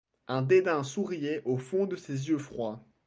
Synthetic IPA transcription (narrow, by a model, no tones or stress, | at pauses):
ɛ̃d̪ed̪ɛ̃suʁijɛʔofɔ̃d̪əsezjøfχwa